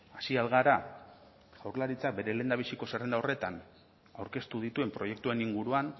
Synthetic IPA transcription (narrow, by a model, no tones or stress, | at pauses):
asialɣaɾa | ɣ̥awɾlaɾit͡sak̚be̞ɾe̞le̞ːnd̪aβ̞isiko̞serend̪ao̞re̞t̪an | awɾke̞st̪uð̞it̪ue̞mpɾo̞je̞k̚t̪ue̞niŋɡuɾuan